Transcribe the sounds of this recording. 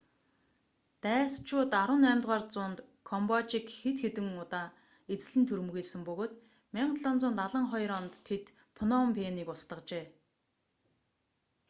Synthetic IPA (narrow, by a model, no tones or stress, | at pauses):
t̪æːst͡ɕʊːt̪aɾwə̆næːmʲt̪ʁaːrt͡sʊːnt̪kʰɔmpɔt͡ɕikxet̪xet̪ɘ̆ŋʊt̪aː | et͡s̆ɮɘ̆nt̪ʰɵɾmɵ̆ɣeːɮsɘ̆mpɵɣoːt̪ | mʲæɴɢt̪ɮɔːnt͡sʊːnt̪aɮə̆ɴχɔjɾɔːnt̪ʰːet̪ | pʰɔnɔmpʰeːniːkʊst̪ə̆qt͡ɕeː